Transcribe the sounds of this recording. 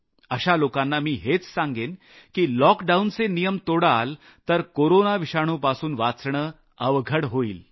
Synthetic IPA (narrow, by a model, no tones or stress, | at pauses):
əɕalokanːamiːɦet͡ssãŋɡen | kiːlɔkɖaunt͡senijəmt̪oɽal | t̪əɾkoɾonaʋiɕaɽ̃uːpasuːnʋat͡sɳə | əʋɡʱəɽɦoiːl